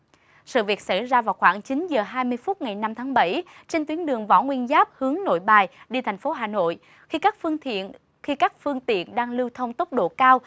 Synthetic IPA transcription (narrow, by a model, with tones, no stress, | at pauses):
sɨ̰˧˨vi˨˩ək̚sa˧˩jzaː˧vaː˨˩wxwaː˧˩ŋt͡ɕi˨˦nzəː˨˩ɦaː˧jmɨ˧əjfu˦˥t̚ŋa˨˩jna˧mt̪ʰaː˨˦ŋɓə˧˩j | t͡ɕe˧nt̪wi˨˦ənɗɨ˨˩əŋvɔ̰˧˥˩ŋwi˧ənzaː˦˥p̚hɨ˨˦əŋno̰˧˨jɓaː˨˩jɗi˧˩t̪ʰɛ˨˩jŋ̟fo˨˦ɦaː˨˩no̰˧˨j | xi˧kaː˦˥k̚fḭ˧˨ən | xi˧kaː˦˥k̚fɨ˧əŋt̪ḭ˧˨ənɗaː˧ŋlɨ˧wt̪ʰə˧wŋ͡mt̪ə˦˥k͡p̚ɗo̰˧˨kaː˧w